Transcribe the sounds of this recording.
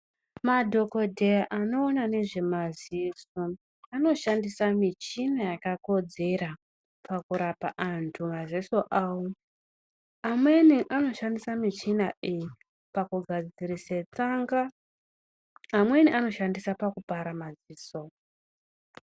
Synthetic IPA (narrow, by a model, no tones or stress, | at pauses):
madʱo̞ko̞dʱe̞jaʔano̞ːnane̞ʐe̞maziso | ano̞ʃandisamit͡ʃinajakako̞d͡ze̞ra | pakuɾapa̰ʔantʰumazisoʔaːwo | amwe̞niʔano̞ʃandisamit͡ʃinaiji | pakuɡʱad͡zid͡ziɾiset͡saŋɡa | mwe̞niʔano̞ʃandisapakupaɾamaziːso̞